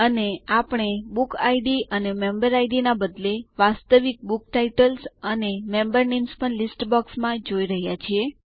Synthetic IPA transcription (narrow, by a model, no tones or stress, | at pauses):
əneapɳ̃ebukaiɖiʔənemembəɾajɖinabəd̪leʋast̪əʋik̚bukʈaiʈəlsənemembəɾnemspəɳlisʈbɔksmãd͡ʒoiɾəɦjat͡ʃʰie